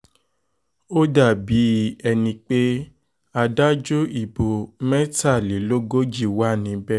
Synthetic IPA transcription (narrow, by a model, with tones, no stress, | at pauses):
o˦da˦˨bi˨˦ɛ˧nĩ˧k͡pe˦ | a˧da˦d͡ʒo˦i˨bo˨mɛ̃˦ta˦˨li˨˦lo˦ɡo˦d͡ʒi˦˨wa˦˨nĩ˨˦bɛ˦